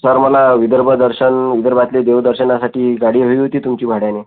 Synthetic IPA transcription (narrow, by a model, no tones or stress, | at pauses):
səɾməlaʋid̪əɾbʱəd̪əɾɕənʋid̪əɾbat̪led̪eʋd̪əɾɕənasaʈiːɡaɽ̤iːɦəiːɦot̪iːt̪umt͡ɕiːbʱaɽjane